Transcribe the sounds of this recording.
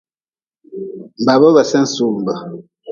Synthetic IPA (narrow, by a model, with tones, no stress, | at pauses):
m˨ba˨βə˦βə˨sɛ˦n̩˦su˨mbə˨